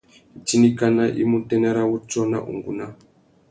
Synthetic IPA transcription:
i˨t͡ʃi˦ni˦ka˦na˦ʔḭ˦mu˦tɛ˦nɛ˦ɾa˦wu˦t͡ʃɔ˦na̰˦ʔṵ˨ŋɡṵ˦na˦

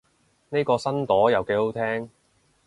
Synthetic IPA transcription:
ne˥jkɔː˧sɐ˥nt̪ɔː˨˥jɐ˨wke˨˥jho˨˥wt̪ʰɛː˥ŋ

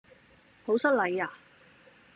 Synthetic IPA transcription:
ho˨˥wsɐ˥t̚lɐ˨˧˩jaː˨˩

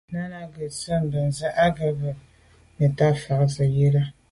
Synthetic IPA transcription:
na˦na˦ɡə˨sə˦m˨bə˨n̩˨zə˦ʔa˦ɡə˨bə˨ | mə˨ta˦fa˨kzɨ˨je˦la˦

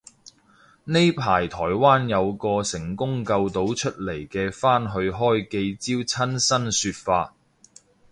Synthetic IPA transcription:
ne˥jpʰaː˨˩jt̪ʰɔː˨˩jwaː˥njɐ˨˧wkɔː˧sɪ˨˩ŋkʊ˥ŋkɐ˧wt̪o˨˥wt͡ʃʰɵ˥t̚le˨˩jkɛː˧faː˥nɦɵ˧ɥɦɔː˥jke˧jt͡siː˥wt͡sʰɐ˥nsɐ˥nsyː˧t̚faː˧t̚

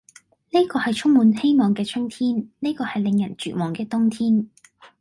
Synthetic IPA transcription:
neː˥kɔː˧hɐ˨jt͡ʃʰʊ˥ŋmuː˨˧nhe˥jmɔː˨ŋkɛː˧t͡ʃʰʊ˥ŋt̪ʰiː˥nne˥jkɔː˧hɐ˨jlɪ˨˧ŋjɐ̰˨˩nt͡ʃy̰ː˨mɔː˨˩ŋkɛː˧t̪ʊ˥ŋt̪ʰiː˥n

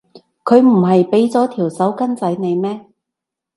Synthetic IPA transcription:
kʰɵ˨˧ɥm̩˨˩ɦɐ˨jpe˨˥jt͡sɔː˨˥t̪ʰiː˨˩wsɐ˨˥wkɐ˥nt͡sɐ˨˥jne˨˧jmɛː˥

